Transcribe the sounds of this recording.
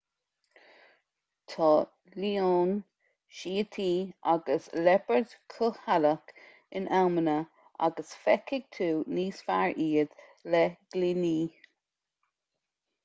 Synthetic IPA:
t̪ʰɑ | lioːn | ʃiːət̪ʰiːʔaɡəslɛpəɹd̪kʰʊhalək | ɪnʔawmənə | ʔa̰ɡəsfɛkɪɡ̚t̪ʰuːniːsfaɹʔiːəd̪ | lɛɡ̥liniː

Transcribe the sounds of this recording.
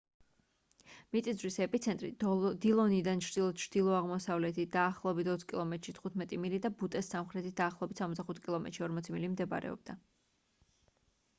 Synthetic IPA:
mit̪ʼizɾisɛpʼit̪sʰɛnt̪ʼɾḭd̪ilˠɔnid̪ant͡ʃʰɾd̪ilˠɔt͡ʃʰɾd̪̥ilˠɔaʁmɔsavlɛt̪ʰid̪̥aːχlˠɔbit̪ʰɔt̪sʰkʼilˠɔmɛt̪ʼɾʃit̪ʰχut̪ʰmɛt̪ʼimilid̪abut̪ʼɛsːamχɾɛt̪ʰit̪̚d̪̥aːχlˠɔɔbit̪ʰsamɔt̪zd̪aχut̪̚ʰkʼilˠɔmɛt̪ɾʃiɔɾmɔt̪sʰimilimd̪ɛba̰ɾɛ̰ɔ̰b̥̚d̪̥a

